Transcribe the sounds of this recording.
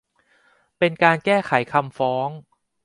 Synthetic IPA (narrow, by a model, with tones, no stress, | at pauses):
pe˧nkaː˧nkɛː˥˩kʰa˩˦jkʰa˧mfɔː˦˥ŋ